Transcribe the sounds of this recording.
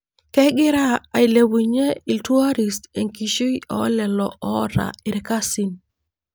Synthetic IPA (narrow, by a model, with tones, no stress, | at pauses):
kɛ˦ɡɪ˦ɾa˦a˨i˨le˨wi˨ɲe˦i˨ltu˦a˦ɾi˨ste˨ŋki˨ʃi˦i˦ʔɔ̰˦lɛ˨lɔ˨ʔɔ˦ɾa̰˨ɪ˨ɾɛ˨ka˦si˦n